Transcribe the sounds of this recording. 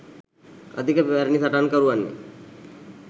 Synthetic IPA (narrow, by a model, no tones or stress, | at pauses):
ə̰d̪ʱikəpaɾnisəʈankəɾuʋanːḭ